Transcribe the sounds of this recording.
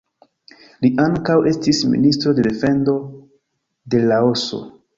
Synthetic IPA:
liʔaŋkawʔe̞stismḭnistɾo̞de̞de̞fe̞ndo̞ | de̞lao̞so̞̰

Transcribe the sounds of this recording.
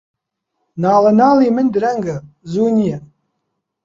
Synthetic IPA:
naːlanaːlimɨndɨraŋɡa | zuːnija

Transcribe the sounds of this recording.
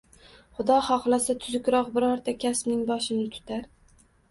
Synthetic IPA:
χʊd̪ɒhɒqlˠasat̪ʰʊzʊkʲɾɒqbɪɾɒɾt̪ʰakʲʰaspnɪŋbɒʃɪnɪt̪ʰʊ̥t̪ʰaɾ

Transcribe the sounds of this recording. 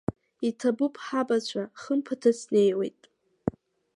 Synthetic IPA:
itʰabɨpʰʼħabat͡ɕʷʰaχəmpʰatʰasne̞jwe̞̰jtʼ

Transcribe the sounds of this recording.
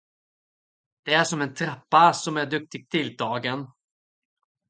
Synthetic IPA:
d̪̥ɛæʂɔmɛnt̪ʰɾapːasɔmæɖɵk̚t̪ɪɡ̚t̪ʰɪld̪ʰɑːɡən

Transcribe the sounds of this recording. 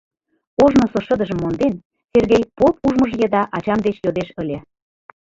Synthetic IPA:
oʒnosoʃə̆d̪ə̆ʒə̆mːond̪en | serɣejpop̚uʒməʒjə̆d̪ɑʔɑt͡ɕɑmd̪et͡ɕjod̪eʃə̆lʲe

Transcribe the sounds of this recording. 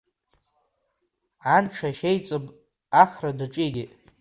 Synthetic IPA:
ʕanʈ͡ʂʰaʃejt͡sʼopʼ | aχradɨʈ͡ʂʼiɡʲitʼ

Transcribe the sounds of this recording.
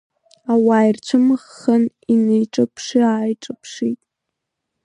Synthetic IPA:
awaːjrt͡ʃʷʰɨmχːan | inejʈ͡ʂʼɨpʰʂiaːjʈ͡ʂʼɨpʰʂitʼ

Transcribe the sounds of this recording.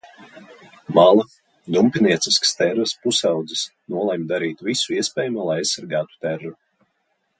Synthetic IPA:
malˠa | d̪umpʲiniɛt̪siskst̪ɛɾvəspusawd̪zisnuɔlˠɛmd̪aɾiːt̪visuiɛspʲɛːjumulˠajajssːaɾɡaːt̪u̥t̪ɛɾːu

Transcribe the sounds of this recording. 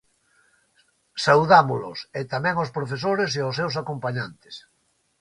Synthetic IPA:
sawðamolʊ̰set̪amɛ̃ŋospɾofes̬oɾes̬eosewsakompaɲant̪e̥s

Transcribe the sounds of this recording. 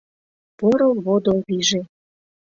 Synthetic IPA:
poɾolβod̪olβiʒe

